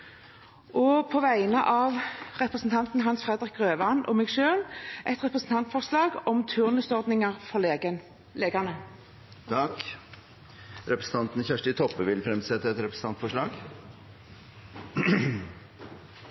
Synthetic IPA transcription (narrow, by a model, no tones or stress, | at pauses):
ʔɔpʰoʋæɪnəʔɑːʋʁɛpʁəsn̩t̪ʰɑnt̪n̩ɦɑnsfʁɛd̪əʁək̚ʁøːʋɑnʔɔ̰mɛːɡʃøːlʔɛt̪ʁɛpʁəsn̩t̪ɑnt̪fɔʁʂlɑːɡɔmt̪ʰʉʁnəsɔʁd̪nɪŋəʁfɔʁleɡə | leːɡənə | t̪ʰɑk | ɾɛpɾəsn̩ɑnt̪n̩çæʂʈɪt̪ʰɔpːəʋɪlfɾɛmsɛt̪ːəɛt̪ɾɛpɾəsn̩ɑnt̪fɔʂɭɑːɡ